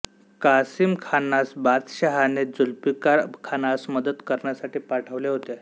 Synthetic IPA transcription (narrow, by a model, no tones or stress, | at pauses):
kasiːmkʰanasbat͡s̪ɕaɦaned͡zulpikakʰanasməd̪əd̪kəɾɳjasaʈiːpaʈʰəʋleɦot̪e